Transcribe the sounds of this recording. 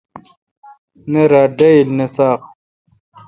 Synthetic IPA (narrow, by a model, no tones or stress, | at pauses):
neɾaːɖɐilnesaːq